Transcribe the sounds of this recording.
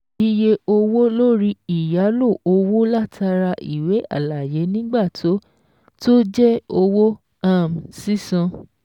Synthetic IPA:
i˧je˧o˧wo˦lo˦ɾi˦i˦˨ja˨˦lo˦˨ʔo˧wo˦la˦˨tʰa˧ɾa˧ʔi˨we˨˦a̰˦˨la˨je˨˦nĩ˦ɡ͡ba˦˨tʰo˨˦ | to˦d͡ʒɛ˦o˧wo˦ | a˦˨m̩si˦sã˧

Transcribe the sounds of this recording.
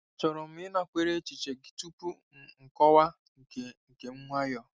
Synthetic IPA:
t͡ʃɔ˨ɾɔ˨m̩˨˦ɪ˦na˨kʷe˨ɾe˦t͡ʃi˨t͡ʃe˨ɡi˨tu˦pu˦˨ | ŋ̩˨kɔ˦wa˦˨ | ke˨ŋ̩˨ke˨m̩˦ŋʷa˦jɔ˨

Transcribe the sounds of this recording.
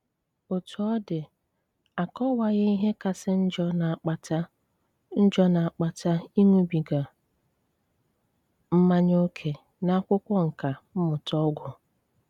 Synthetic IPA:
o˨tu˨ɔ˦dɪ˨ | a˨kɔ˦wa˦ɣe˦i˦ɦe˦ka˨sɪ˦n̩˦d͡ʒɔ˦na˨k͡pa˨ta˦ | n̩˦d͡ʒɔ˦na˨a˨k͡pa˨ta˦i˦ŋʷu˦bi˨ɡa˨ | m̩˦ma˦ɲo˦kʰe˨ | na˦kʷʊ˦kʷɔ˦ŋ̩˨ka˨m̩˦mʊ˨tɔ˦ɡʷʊ˨

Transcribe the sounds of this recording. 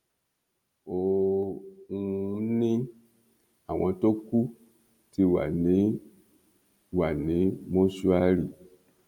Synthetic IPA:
o˨ | ŋu˧˦nĩ˦ | a˨w̃ã˨˧to˦ku˦ | ti˧wa̰˨ni˨˦ | wa˨nĩ˨˦mɔ̃˦su˦a˦li˨

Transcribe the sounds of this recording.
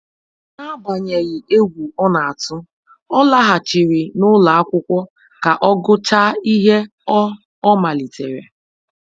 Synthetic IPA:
na˦ba˨ɲe˨ɣɪ˨e˦ɡʷu˨ɔ˦na˨a˨tʊ˦ | ɔ˦la˦ɦa˨t͡ʃi˨ɾi˨nʊ˦la˨a˦kʷʊ˦kʷɔ˦ | ka˨ʔɔ˦ɡʊ˦t͡ʃa˦i˦ɦe˦ | ɔ˦ | ɔ˦ma˨li˨te˨ɾḛ˨

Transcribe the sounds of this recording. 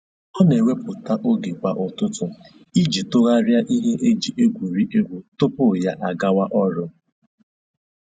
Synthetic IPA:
ɔ˦ne˨we˦pʊ˨ta˦ʔo˦ɡe˨kʷa˨ʔʊ˨tʊ˦tʊ˨ | i˦d͡ʒi˨tʊ˦ɣa˦ɾja˦ʔi˦ɦe˦ʔe˦d͡ʒi˨ʔe˦ɡʷu˨ɾi˦ʔe˦ɡʷu˨tʊ˦pʊ˦˨ja˦ʔa˨ɡa˦wa˦ʔɔ˦ɾʊ˦

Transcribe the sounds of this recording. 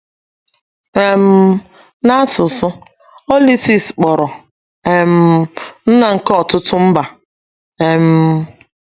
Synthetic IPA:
e˨m̩˦ | na˦sʊ˨sʊ˦ | o˦li˦si˦sk͡pɔ˨ɾɔ˨ | e˨m̩˦n̩˦na˨ŋ̩˨kɔ˦ɔ˨tʊ˦tʊ˦m̩˦ba˨ | e˨m̩˦

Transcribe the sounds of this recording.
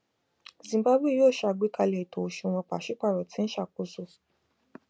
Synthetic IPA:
zĩ˨ba˦bwi˦˨joː˦˨ʃa˧˨ɡ͡bi˨˦ka˧lɛ˨i˨to˨ʃu˧˨w̃ɔ̃˧k͡pa˨ʃi˦k͡pa˦˨ɾɔ˨tʰĩ˨˦n̩˦ʃa˦˨ko˨˦so˧

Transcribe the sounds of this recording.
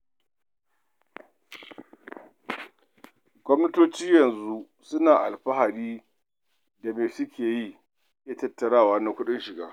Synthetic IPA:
ɡʷɔ˦mnɐ˦toː˦t͡ʃiː˦jɐ˨nzu˦ | sʊ˦naː˨ʔa̰˨lɸɐ˦ha˨ɗiː˦ | da˨meː˨sʊ˦kʲʰeː˨ji˦ | ʔja˨tɐ˦tːɐ˨ɽaː˦˨waː˦na˦kʷʊ˦ɗɪ˦nʃɪ˨ɡaː˦

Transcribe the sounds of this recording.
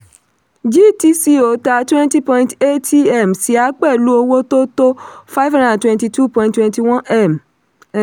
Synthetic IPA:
d͡ʒi˦ti˧˦si˧o˨˦ta˧˦twɛ̃˦nti˦pɔ̃˧ĩnte˦ti˦ɛ˦˨msi˨˦a˨˦k͡pɛ˦˨lu˦o˧wo˦to˦to˦fa˦jvhã˦ndã˨twɛ̃˧nti˧tu˦˨pɔ̃˨ĩntwɛ̃˧nti˧˨wɔ̃˦ɛ˦˨m

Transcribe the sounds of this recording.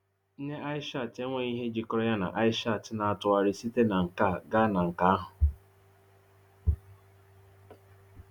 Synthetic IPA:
n̩˦ne˦a˦ɪ˦ʃa˦˨te˦ŋʷe˨i˦ɦe˦d͡ʒi˨kɔ˦ɾɔ˦ja˦na̰˨ʔa˦ɪ˦ʃa˦˨tɪ˦na˨a˨tʊ˨a˨ɾɪ˦si˦te˦na˨ŋ̩˨ka˦˨ɡa˦na˨ŋ̩˨ka˦a˦ɦʊ˨

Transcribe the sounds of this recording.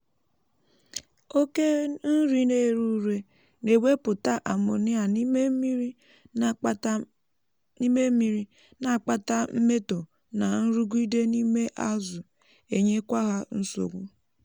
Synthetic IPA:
o˦ke˦n̩˦ɾi˨ne˨ɾu˦ɾe˨ | ne˨we˦pʊ˨ta˦ʔa˨mʊ˨nɪ˦a˨n˦ | ni˦me˦mi˨ɾi˦ | na˨k͡pa˦ta˦m̩˦me˦to˨ | na˨n̩˦ɾu˦ɡʷu˦i˦de˦ni˦me˦ʔa˦zʊ˨ | e˨ɲe˦kʷa˦ɣa˦n̩˦so̰˨ɡʷu˦

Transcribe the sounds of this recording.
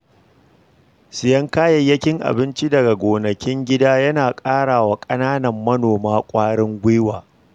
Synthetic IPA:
sɪ˨jɐ˦ŋkaː˦jɐ˨jːɐ˦kʲɪ˦ŋʔa̰˨bɪ˦nt͡ʃi˦dɐ˨ɡa˨ɡʷoː˨nɐ˨kʲɪ˦ŋɡʲɪ˦daː˦jɐ˦naː˨kʼaː˦ɽaː˨wa˦kʼɐ˦naː˦nɐ˨mːɐ˦noː˨maː˦kʷʼaː˦ɽɪ˦ŋɡʷeː˦waː˨

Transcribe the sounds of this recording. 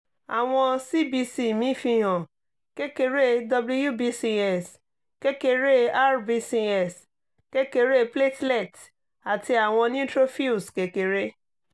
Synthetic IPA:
a˨w̃ɔ̃˧si˦bi˧si˦mĩ˦fĩ˧ɦɔ̃˨ | ke˦ke˧ɾe˦dɔ˧blu˧ju˦bi˦si˧ɛ˦˨s | ke˦ke˧ɾe˦a˦ɾbi˧si˧ɛ˦˨s | ke˦ke˧ɾe˦ple˦tle˦˨t | a˨ti˧a˨w̃ɔ̃˧nĩ˦tɾo˦fi˦u˨ske˨˦ke˨ɾe˦

